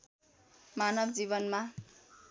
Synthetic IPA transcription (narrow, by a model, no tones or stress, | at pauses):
manʌbd͡ziβʌnma